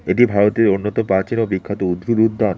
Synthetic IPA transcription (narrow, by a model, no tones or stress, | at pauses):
eʈibʱaɾot̪eɾonːot̪opɾat͡ɕinobikʰːat̪oud̪ɾuɾud̪ʱːan